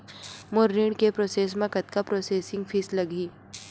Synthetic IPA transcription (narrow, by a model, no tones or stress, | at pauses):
moɾːiːɳkepɾoːseːsmẽkɐt̪̚kapɾoːseːsɪ̃ŋɡfʰiːslɐɡiː